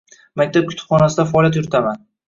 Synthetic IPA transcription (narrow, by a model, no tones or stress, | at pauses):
mak̚ʲt̪ʰab̚kʰʊt̪ʰʊ̥pχɒnasɪd̪afaɒlʲˠjat̪̬jʊɾɪt̪ʰaman